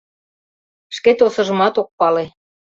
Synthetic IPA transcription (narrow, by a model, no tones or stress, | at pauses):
ʃket̪osɤ̆ʒə̆mɑt̪ok̚pɑle